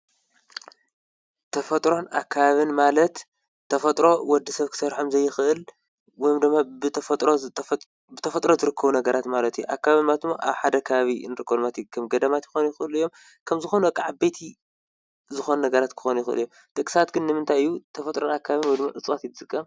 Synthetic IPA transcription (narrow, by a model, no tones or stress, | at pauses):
t̪ʰɐfɐt̪ʼɾo̞na̰kʰːaβaβɨnmalɐt̪ʰː | ɐfɐt̪ʼɾo̞wɔd̪ːisɐβkʰɨ̥sɐɾħomzɐjːɪxʔɨl | wɔjmd̪ɨmːabɨt̪ʰɐfɐt̪ʼɾo | bɨt̪ʰɐfɐt̪ʼɾo̞zɨɾɨkʰːɐβunɐɡɐɾʔat̪malɐt̪ʰujuʔa̰kːaβaβɨnmalt̪ɨmːoʔa̰βħad̪ɐkʰɐβaβinɨɾɨkʰːɐβlmat̪ikʰɐmɡɐd̪ɐmat̪jɪxonjɪxɨʔɨlɨjːom | kʰɐmzɨxo̞nuɐkʼaʕabejt̪ʰi | zɨxo̞nunɐɡɐɾat̪kʰɨ̥xonujɪxɨʔɨ̰lijo | d̪̥ɐkʼɨ̥sat̪̚ɡɨnːɨmɨnt̪ʰajjːut̪ʰɐfɐt̪ʼɾonakʰːaβaβɨnwɔjd̪ɨmːa̰ʔɨt͡sʼwot̪jt̪ɨt͡sʼɨkʼːɐm